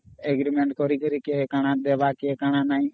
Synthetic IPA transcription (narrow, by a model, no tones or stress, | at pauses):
eːɡɾimẽɳʈkɔɾikəɾikeekaɽ̃ãːd̪eːʋaːkeekaɽ̃anaːĩː